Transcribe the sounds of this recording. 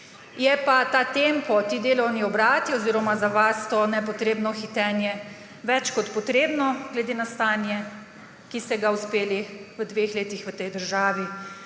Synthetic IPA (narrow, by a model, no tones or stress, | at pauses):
jɛpat̪aːt̪empɔt̪id̪eːlɔwniɔbɾaːt̪iɔziːɾɔmazaʋast̪onɛpɔt̪ɾeːbnɔxit̪ɛːnjɛ | ʋɛt͡ʃkɔt̪pɔt̪ɾeːbnɔɡlɛd̪eːnast̪aːnjɛ | kist̪ɛɡauspeːliʋəd̪ʋexleːt̪ixʋət̪ɛjd̪əɾʒaːʋi